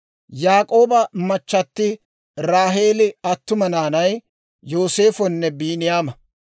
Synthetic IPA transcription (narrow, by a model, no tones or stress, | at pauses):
jaːkʼo̞ːbɐmɐt͡ʃːɐt̪ːɪ | ɾaːɦe̞ːlɪɐt̪ːʊmɐnaːnɐj | jo̞ːse̞ːfɔnːɛbiːnɪjaːmɐ